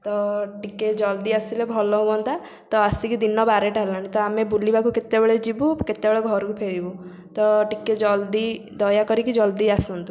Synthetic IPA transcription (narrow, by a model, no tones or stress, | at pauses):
t̪ɔʈiked͡ʒɔld̪iasilebʱɔlɔɦubɔnt̪a | t̪ɔasikid̪inɔbaɾeʈaɦlaɽ̃it̪ɔamebulibakuket̪ebeɭed͡ʒibuket̪ebeɭeɡʱɔɾɔkupʰeɽibu | t̪ɔʈiked͡ʒɔld̪id̪ɔjakɔɾikid͡ʒɔld̪iasɔnt̪u